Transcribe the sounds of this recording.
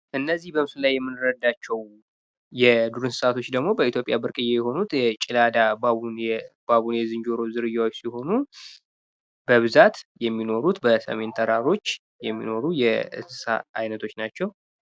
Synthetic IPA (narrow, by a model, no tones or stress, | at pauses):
ʔɨnːəzːihbəmsɨlajːɛmːɨnɨɾəd̪ːat͡ʃːɛw | jɛd̪uɾɨnsɨsat̪ʰo̞t͡ʃːd̪əɡmo̞bəit̪ʰjo̞pʼjabɨɾkʼɨjːejɛho̞nut̪ɛt͡ʃʼilad̪abaunb̥aβunjɛzɨnd͡ʒo̞ɾo̞zɨɾɨjːawot͡ʃːsiho̞nu | bəβɨzat̪jɛmːino̞ɾut̪bəsə̰me̞nt̪ʰəɾaɾo̞t͡ʃː | jɛmːḭno̞ɾujɛɨ̰sɨsa̰a̰jnət̪ʰo̞t͡ʃːnat͡ʃːɛw